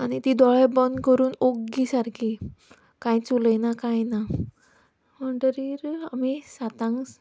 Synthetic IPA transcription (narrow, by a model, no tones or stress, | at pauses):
anit̪id̪ɔɭɛbənkəɾuːnoɡisaɾkʰi | kãjt͡sulənakajna | məɳʈəɾiɾamisat̪ãŋɡs